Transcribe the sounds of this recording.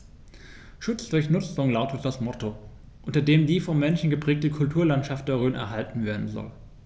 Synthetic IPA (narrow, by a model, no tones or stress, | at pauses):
ʃʊt͡sd̥ʊɐçnʊt͡sʊŋlaʊtət̚d̥asmɔtʰo | ʔʊntɐdeːmdiːfɔnːɛnʃn̩ɡəpʁ̥ɛːk̚təkʰʊltʰuːɐlantʃaft̚d̥ɛʁøːnɛ̰ɐɦaltn̩veːɐdn̩zɔ̰l